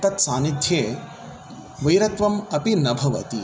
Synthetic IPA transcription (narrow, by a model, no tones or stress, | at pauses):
t̪ɐt̪saːnid̪ʱjeː | ʋɐjɾɐt̪ʋɐmɐpinɐbʱɐʋɐ̰t̪i